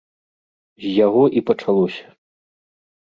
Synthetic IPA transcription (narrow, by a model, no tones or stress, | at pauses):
zʲjaɣɔʔipɐt͡ʂalˠɔsʲɐ̥